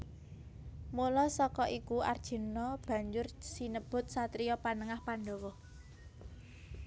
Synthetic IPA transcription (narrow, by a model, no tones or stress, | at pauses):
mulɔsɔkɔʔikua̰rd̥ʒ̥ə̤nɔb̥a̤ɲd͡ʒʊrsinəb̥ʊ̤t̪̚sat̪ɾijɔpanəŋahpanɖɔwɔ